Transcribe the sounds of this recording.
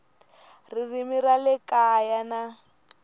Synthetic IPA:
ririmiralɛkajana

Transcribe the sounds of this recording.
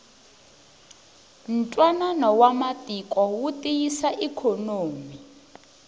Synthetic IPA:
n̩tʼwananɔwamatikʼɔwutʼijisaʔikʰɔnoːmi

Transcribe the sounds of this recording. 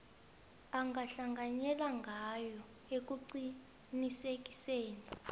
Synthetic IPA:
aŋɡʱaɬaŋɡʱaɲɛlaŋɡʱajɔ | ek̬ʼuǀi | nisek̬ʼi̥seːni

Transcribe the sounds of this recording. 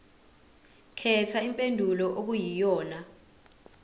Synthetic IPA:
kʰɛtʰaimpʼendʱulɔʔok̬ujijɔːna

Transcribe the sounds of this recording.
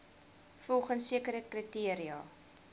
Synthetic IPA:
fɔlˠχənsiəkəɾəkritiəɾiɑː

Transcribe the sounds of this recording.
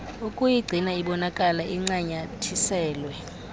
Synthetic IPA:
ukʼujiɡ͡ǀʱinaiɓɔnakʼalaʔiŋ͡ǀaɲatʰisɛːlwɛ

